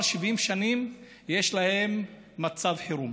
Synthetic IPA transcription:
lʃivʔimʃanim | je̞ʃlahe̞mː | at͡savħiɾum

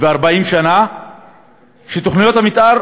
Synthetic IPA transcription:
veaʁbaimʃana | ʃet̪oχnijo̞t̪hamit̪ʔaʁ

